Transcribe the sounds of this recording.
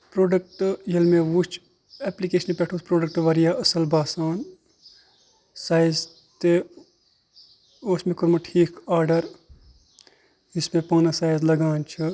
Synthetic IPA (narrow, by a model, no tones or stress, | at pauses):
pɾoːɖək̚ʈjɐlmẽʋut͡ʃʰ | ɛːplikeːʃənpʲɛʈʰuːspɾoːɖək̚ʈʋɐɾijaːʔɐsɐlbaːsaːn | saːjz | t̪e | oːsmẽkoɾmɐʈʰiːkʰaːɾɖɐɾ | d͡ʒismẽpaːnɐsaːjzlɐɡaːnt͡ʃʰɨ